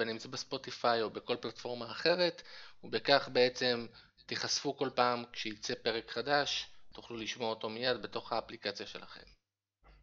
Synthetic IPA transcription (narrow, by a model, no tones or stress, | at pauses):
benimt͡subespo̞t̪ifajo̞beko̞lplatfo̞ʁmaːχe̞ʁe̞tubekaχbe̞e̞t͡se̞m | t̪iχasfuko̞lpaːmkʃeit͡se̞pe̞ʁe̞kχadaʃtu̥χluliʃmo̞aoto̞mijad̪be̞to̞χhaːplikat͡sjaʃe̞la̰χe̞̰m